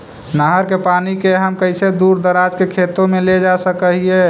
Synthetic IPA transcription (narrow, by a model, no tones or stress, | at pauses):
nəɦəɾkepanikeɦəmkəɪsed̪uɾd̪əɾad͡ʒkekʰet̪õmeled͡ʒasəkəɦie